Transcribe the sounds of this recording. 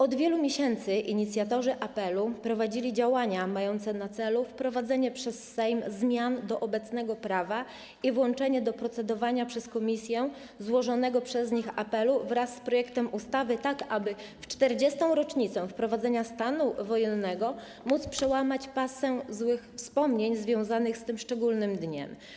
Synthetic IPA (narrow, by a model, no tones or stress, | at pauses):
ɔd̪vʲjɛlumʲjeɕɛnt̪sɘʔiɲit̪sʲjat̪ɔʐɘʔapɛlupɾɔvad͡ʑilʲid͡ʑawaɲamajɔnt̪sɛnat̪sɛlufpɾɔvad̪zɛɲɛpʂɛsːɛjmzmʲjand̪ɔʔɔbɛt̪snɛɡɔpɾava | ivwɔnt͡ʂɛɲɛd̪ɔpɾɔt̪sɛd̪ɔvaɲapʂɛskɔmʲisʲjɛ | zwɔʐɔnɛɡɔpʂɛzɲixa̰pɛluvɾasːpɾɔjɛkt̪ɛmʔust̪avɘt̪akabɘ | ft͡ʂt̪ɛɾd͡ʑɛst̪ɔ̃w̃ɾɔt͡ʂɲit̪sɛfpɾɔvad̪zɛɲast̪anuvɔjɛnːɛɡɔ | mut̪spʂɛwamat͡ɕpasɛzwɘxfspɔmɲeɲzvʲjɔ̃w̃zanɘxst̪ɘmʂt͡ʂɛɡulnɘmd̪ɲɛ̰m